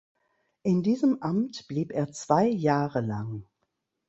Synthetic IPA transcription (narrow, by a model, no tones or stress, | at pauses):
ʔɪndiːzəmʔamtb̥liːpeːɐt͡sv̥aɪjaːʁəlaŋ